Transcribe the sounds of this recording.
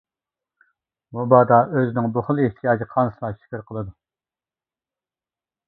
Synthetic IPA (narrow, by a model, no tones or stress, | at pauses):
mubɑːd̪ɑøzɪnɪŋboχʊlˠeht̪ʰijɑːd͡ʒiqʰɑnsɨlˠɑʃi̥kʲiɾqʰəlˠɨd̪u